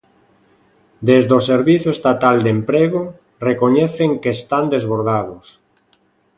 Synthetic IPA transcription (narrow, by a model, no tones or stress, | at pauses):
d̪ezðoseɾβiθoest̪at̪ald̪empɾeɣo | rekoɲɛθeŋkest̪and̪ezβoɾðaðʊs